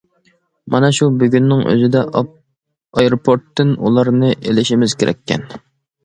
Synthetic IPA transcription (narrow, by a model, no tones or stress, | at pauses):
mɑnɛʃubyɡʲynːɪŋʔø̰zɪd̪ɛ | ɑjeɾopʰoɾt̪ːɨnṵlˠɑɾnɨʔelɪʃimɪzkʰʲeɾɛ̰kʲʰːɛ̰n